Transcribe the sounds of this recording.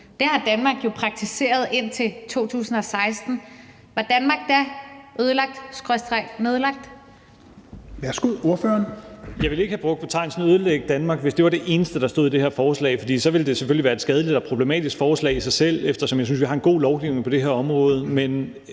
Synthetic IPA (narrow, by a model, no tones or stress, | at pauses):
d̥æhɑ̈d̥ænmɑ̈ːɡ̥jo̝pʰʁɑ̈ɡ̥̚t͡sʰise̝̰ːɐð̞ˠe̝n̰t͡sʰe̝lt͡sʰo̝̰ːt͡sʰṵːsn̩ɒ̽sɑ̈ɪsd̥n̩ | ʋɑ̈d̥ænmɑ̈ːɡ̥̚d̥æʔøð̞ˠəlɑ̈ɡ̥̚d̥sɡ̥ʁœsd̥ʁḁneð̞ˠlɑ̈ɡ̥̚d̥ | ʋæɐsɡ̥uð̰ˠo̝ɐføɐnjɑ̈ɪʋe̝le̝ɡ̥əhæb̥ʁɔ̽ɡ̥̚pʰɒ̽t͡sʰɑ̈ɪ̰nsn̩øð̞ˠəleɡ̥̚d̥ænmɑ̈ːɡ̥ʋe̝sd̥eʋɑ̈ɾe̝ʔe̝ːnəsd̥əɾ̥ɑ̈sd̥o̝ð̰ˠid̥e̝heɐfɒːslɛ̰ɪfɒd̥ḭːsɒ̽ʋe̝ld̥e̝seføliʋæːɐed̥sɡ̥ɛːð̞ˠəlid̥ɒpʰʁo̝b̥le̝mɛ̰ːd̥isɡ̥fɒːslɛ̰ɪisɑ̈ɪsel̰efd̥ɐsɒ̽mjɑ̈synsʋiɦɑ̈e̝nɡ̥o̝̰ːlɒʊɡ̥iʊne̝ŋpɒ̽d̥e̝ɦeɐɒ̽mʁɔ̽ːð̞̩ˠəmen